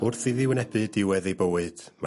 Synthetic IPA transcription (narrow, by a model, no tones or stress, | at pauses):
ʊrθɨðɪwənɛbɨdɪwɛðejbəwɨd̥ma̰